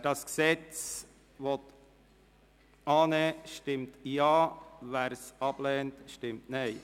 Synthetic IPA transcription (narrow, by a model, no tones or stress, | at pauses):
d̥ɑsksɛt͡s | ʋɔt̪ | ɑːneːʃtɪmtjɑːʋæːɾsɑb̥lɛːntʃtɪmtneɪ